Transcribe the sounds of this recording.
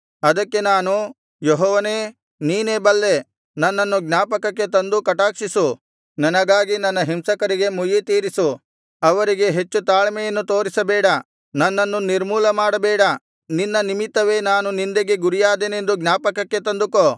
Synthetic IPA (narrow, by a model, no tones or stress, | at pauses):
ɐd̪ɐkːe̞naːnu | joɦɔːʋɐneː | niːneːbɐlːe̞ | nɐnːɐnːuɡnaːpɐkɐkːe̞t̪ɐnd̪ukɐʈaːkʂisu | nɐnɐɡaːɡinɐnːɐɦimsɐkɐɾiɡe̞mujit̪iːɾisu | ɐʋɐɾiɡe̞ɦe̞t͡ʃːut̪aːɭɐmɛjɐnːut̪o̞ːɾisɐbɛːɽɐ | nɐnːɐnːuniɾmuːlɐmaːɽɐbɛːɽɐ | ninːɐnimit̪ːɐʋe̞ːnaːnunind̪eɡeɡuɾijaːd̪eːne̞nd̪uɡnaːpɐkɐkːe̞t̪ɐnd̪ukoː